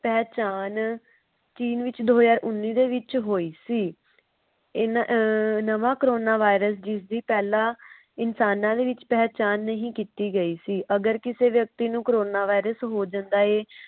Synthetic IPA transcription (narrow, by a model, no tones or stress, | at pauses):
pɛːt͡ʃaːn | t͡ʃiːnʋɪt͡ʃd̪oːd͡ʒaːɾʔʊnːiːd̪eːʋɪt͡ʃɦoːiːsiː | ɪnanəʋãːkɾoːnaːʋaːɪɾəs̬d͡ʒɪsd̪iːpɛːlãː | ɪnsaːnãːd̪eːʋɪt͡ʃpɛːt͡ʃaːnːəɦĩːkiːt̪iːɡəiːsiːʔəɡəɾkɪseːʋjək̚t̪iːnũːkəɾoːnaːʋaːiɾəsɦoːd͡ʒãːnd̪aːeː